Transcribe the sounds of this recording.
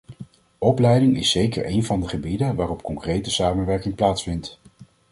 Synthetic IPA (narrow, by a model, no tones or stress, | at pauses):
ɔplɛjdɪŋɪ̰sːejkə̰ɹʔejnvɑndəχəbidənʋaːrɔp̚kɔŋkrejtəsaːmənʋɛɹkɪŋplaːtsfɪnt